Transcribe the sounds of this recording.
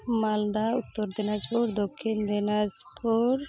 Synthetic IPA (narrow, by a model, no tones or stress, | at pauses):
mald̪aut̪ːɔɾd̪ɛnaspuɾd̪ɔkʰːind̪ɛnaspuɾ